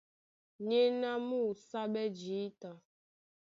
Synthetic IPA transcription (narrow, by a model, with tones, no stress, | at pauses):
ɲe˦na˦mu˦˨sa˦ɓɛ˦d͡ʒi˨˦ta˨